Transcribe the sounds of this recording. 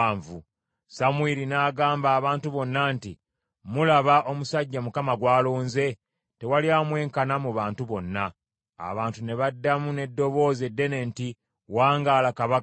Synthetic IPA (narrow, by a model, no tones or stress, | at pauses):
ɱvu | samwilinaːɡaːmbaːβaːntuβo̞nːanti | mulaβaʔo̞musaɟːamukamaɡwaːloːnze̞ | te̞waliaːmwe̞ːŋkanamuβaːntuβo̞nːa̰ː | βaːntune̞βadːamune̞dːo̞βo̞ːze̞dːe̞ne̞ːnti | waːŋɡaːlakaβa